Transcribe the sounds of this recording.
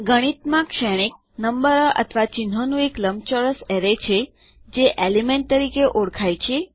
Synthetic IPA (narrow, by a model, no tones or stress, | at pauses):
ɡəɽ̃it̪mãkʃɛɽ̃ik̚ | nəmbəɾə̰t̪ʰʋat͡ʃinɦonũekləmt͡ʃəɾəseɾet͡ʃʰe | d͡ʒeʔelimeɳʈ̚t̪əɾikeʔoɽkʰajt͡ʃʰe